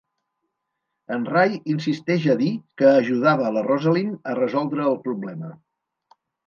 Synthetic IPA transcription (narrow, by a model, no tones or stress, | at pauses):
ənrajins̬ist̪ɛʒəðikəːʒuð̞aβəːlərɔzəlinərəzɔlˠd̪ɾəːlˠpɾuβlɛmə